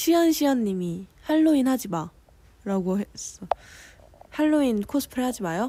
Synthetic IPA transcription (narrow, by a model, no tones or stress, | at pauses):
ɕʰiʌnɕʰiʌnːimihaɭːoinɦad͡ʑiba | ɾaɡoɦes͈ʌ | haɭːoinkʰosʰɯ̥pʰɯɭhad͡ʑimajo